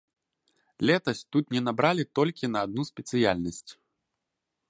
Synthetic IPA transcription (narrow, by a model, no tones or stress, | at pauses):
lʲɛt̪ɐsʲt̪ut̪nʲɛnabɾalʲit̪ɔlʲkʲinɐːd̪̚nuspʲɛt̪sɨjalʲnɐsʲt͡sʲ